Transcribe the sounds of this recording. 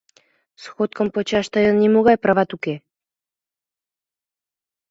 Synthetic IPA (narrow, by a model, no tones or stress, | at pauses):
sxot̪̚kəmpot͡ɕɑʃt̪əjənːimoɣɑjprɑβɑt̪uke